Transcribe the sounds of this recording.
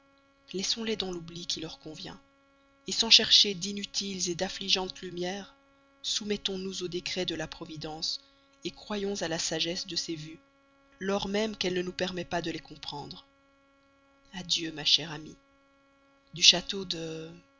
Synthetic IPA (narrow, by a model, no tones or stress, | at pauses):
lɛsɔ̃lɛd̪ɑ̃lublikʲʰilœʁkɔ̃vjɛ̰̃ | esɑ̃ʃɛʁʃed̪inyt̪ʰilzed̪afliʒɑ̃t̪lymjɛːʁ | sumɛt̪ɔ̃nuzod̪ekχɛd̪əlapχɔvid̪ɑ̃s | ekχwajɔ̃zalasaʒɛsd̪əsevy | lɔʁmɛmkɛlnənupɛʁmɛpad̪əlekɔ̃pχɑ̃d̪ʁ | ad̪jømaʃɛʁami | d̪yʃat̪od̪ə